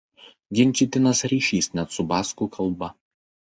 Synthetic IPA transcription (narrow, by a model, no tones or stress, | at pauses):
ɡʲɪnʲˑt͡ʃʲɪt̪ʲɪnɐsɾʲiːʃʲiːsnʲɛt̪sʊbɑːskuˑkʰɐlˠbɐ